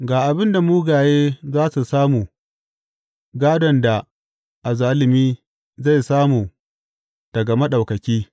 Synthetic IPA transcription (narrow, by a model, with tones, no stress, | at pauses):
ɡaː˨ʔa˨bɪ˦nda˨muː˦ɡaː˨jeː˦zaː˦su˨saː˦muː˨ | ɡaː˦dɔ˨nda˨ | ʔa˨zaː˦lɪ˨miː˦ | za˦˨jsaː˦muː˨ | d̥ɐ˨ɡɐ˨mɐ˦ɗa˨wkɐ˨kʲiː˦